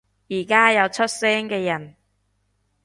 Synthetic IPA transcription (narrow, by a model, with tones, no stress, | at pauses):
jiː˨˩kaː˥jɐ˨˧wt͡sʰɵ˥t̚sɛː˥ŋkɛː˧jɐ˨˩n